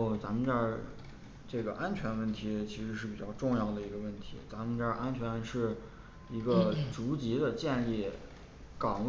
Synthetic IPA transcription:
t͡sa˧˥mə˧t͡ɕjə˥˧ | ʈ͡ʂɤ˥˩ɡə˩ʔa˥nt͡ɕʰɥɛ˧˥nwə˥˩nt̪ʰi˧˥t͡ɕʰi˧˥ʂɻ̩˧˥ʂɻ̩˥˩pi˨˩t͡ɕjɑ˥˧ʊʈ͡ʂʊ˥˧ŋjɑ˥˩ʊd̪ə˩i˧˥ɡə˧wə˥˩nt̪ʰḭ˧˥t͡sa˧˥mə˧t͡ɕjɑ˥˧ʔa˥nt͡ɕʰɥɛ˧˥nʂɻ̩˥˩ | i˧˥ɡə˧t͡su˧˥t͡ɕi˧˥d̪ə˧t͡ɕjɛ˥˧ni˥˩ | kɑ˨˩ŋ

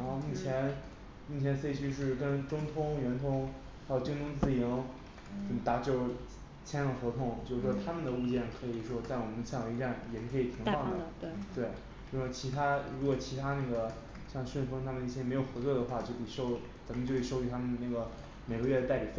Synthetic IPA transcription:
ɻɑ˧˥xo˥˧mu˥˩t͡ɕʰjɛ˧˥n | mu˥˩jɛ˧˥nse˥ɪt͡ɕʰy˥˧ʂɻ̩˥˩kə˥nʈ͡ʂʊ˥ŋt̪ʰʊ˥ŋɥɛ˧˥nt̪ʰʊ˥ŋ | xa˧˥jo˨˩ʊt͡ɕi˥ŋt̪ʰʊ˥ŋt͡sɹ̩˥˩ji˧˥ŋ | ʈ͡ʂə˨˩mə˧t̪a˨˥˩t͡ɕjo˥˩ʊ | t͡ɕʰjɛ˥nʂɑ˥˩xwɔ˧˥t̪ʰʊ˧˥ŋt͡ɕjo˥˧ʊʂɻ̩˥˩ʂwɔ˥t̪ʰa˥mə˨nd̪ə˩u˥˧t͡ɕjɛ˥˩nkʰɤ˧˥i˨˩ʂwɔ˥t̪a˥˩wɔ˨˩mə˦nɕjɛ˥˩jɑ˨˩i˧˥ʈ͡ʂa˥˩njɛ˨˩ʂɻ̩˥˩kʰɤ˧˥i˨˩t̪ʰi˧˥fɑ˥˩ŋd̪ə˨˩˥tt̪we˥˩ɪ | o˥˧˩wɔ˥˩t͡ɕʰi˧˥t̪ʰa˥ɻu˧˥kwɔ˨˩t͡ɕʰi˧˥t̪ʰa˥na˥˩ɡə˩ | ɕjɑ˥˧ŋʂwnfu˧˥˧t̪ʰa˥mə˨ni˥ɕjɛ˥m˧˥ɪjo˨˩ʊxwɔ˧˥t͡swɔ˥˩d̪ə˩xwa˥˧t͡ɕjo˥˩ʊpi˨˩ʂo˥˧ʊ | t͡sa˧˥nmə˧t͡ɕjo˥˧ʊi˩ʂo˥˧ʊt͡ɕy˧˩t̪ʰa˥mə˨˩nd̪ə˩na˥˩ɡə˩ | me˨˩ɪɡə˧˥ɥɛ˥˩d̪ə˧t̪a˥˩ɪpi˨˩˥

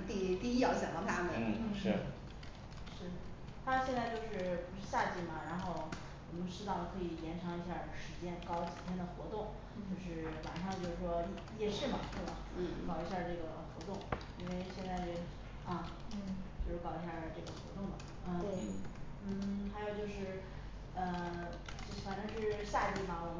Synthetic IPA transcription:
t̪i˥˧t̪i˥˧i˥jɑ˥˩ʊɕjɑ˨˩lə˧˥pʰa˥˩nd̪ə˨˩˥ʂɻ̩˥˩ | ʂɻ̩˥˩ | t̪ʰa˥ɕjɛ˥˧nt͡sa˥˧ɪt͡ɕjo˥˧ʊʂɻ̩˥˩pu˧˥ʂɻ̩˥˧˩ɕja˥˧t͡ɕi˥˩mɐ˩ɻa˧˥nxo˥˩ʊ | wɔ˨˩mə˧˥nʈ͡ʂɻ̩˥t̪ɑ˥˩ʊd̪ə˩kʰɤ˧˥i˨˩jɛ˧˥nʈ͡ʂʰɑ˧˥ŋi˧˥ɕ̬ja˥˩ʂɻ̩˧˥t͡ɕjɛ˥nkɑ˥ʊt͡ɕi˨˩t̪ʰjɛ˥nd̪ə˨xwɔ˧˥t̪ʊ˥˩ŋ | t͡ɕo˥˧ʊʂɻ̩˥˩wa̰˨˩nʂɑ˥˧ŋt͡ɕjo˥˧ʊʂɻ̩˥˩ʂwɔ˥jɛ˥˧jɛ˥˧ʂɻ̩˥˩mɐ˩ʂe˥˩bɐ̰˩˥kɑ˨˩ʊi˧˥ɕja˥˧ʈ͡ʂɤ˥˩ɡə˩xwɔ˧˥t̪ʊ˥˩ŋ | i˥nwe˥˧ɪɕjɛ˥˧nt͡sa˥˧ɪ | ɐ˥˧t͡ɕjo˥˧ʊʂɻ̩˥˩kɑ˨˩ʊi˧˥ɕja˥˧ʈ͡ʂɤ˥˩ɡə˩xwɔ̰˧˥t̪ʊ˥˩ŋmɐ˩ | ə˥˧n̩˥˩xa˧˥ɪjo˨˩ʊt͡ɕjo˥˧ʊʂɻ̩˥˩ | ə˧ | t͡ɕfa˨˩nʈ͡ʂɤ˥ŋʂɻ̩˥˧ɕja˥˧t͡ɕi˥˩mɐ˩wɔ˨˩mə˦

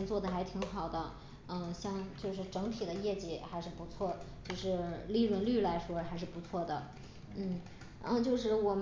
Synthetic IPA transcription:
nt͡swɔ˥˩d̪ə˩xa˧˥ɪt̪ʰi˧˥ŋxɑ˨˩ʊd̪ə˦ | ə˥˧ɕjɑ˥˧ŋt͡ɕjo˥˧ʊʂ̬ɻ̩˥˩ʈ͡ʂɤ˧˥ŋt̪ʰi˨˩d̪ə˦jɛ˥˩t͡ɕi˨˥˩xa˧˥ɪʂɻ̩˥˩pu˧˥t͡sʰwɔ˥˩t͡ɕjo˥˧ʊʂɻ̩˥˧li˥˧lwə˥˧nly˥˩la˧˥ɪʂwɔ˥xa˧˥ɪʂ̬ɻ̩˥˩pu˧˥t͡sʰwɔ˥˩d̪ə˩ | n̩˥˩ | ə˧t͡ɕjo˥˧ʊʂɻ̩˥˩wɔ˨˩m

